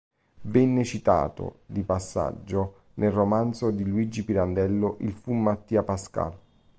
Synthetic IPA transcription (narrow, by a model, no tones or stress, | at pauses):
vɛnːet͡ʃit̪a̰ːt̪o̰d̪ipasːa̰d͡ʒːo | nʔelromand̪t̪sod̪iluid͡ʒːipiɾand̪ɛlːoʔilfumːat̪ːiːapaska̰l